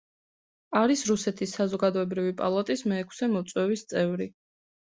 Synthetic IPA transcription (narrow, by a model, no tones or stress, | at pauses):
aɾisɾusɛt̪ʰisːazɔɡad̪ɔɛbɾivipʼa̰lˠat̪ʼismɛːkʰsɛmɔt̪sʼwɛvist̪sʼɛvɾi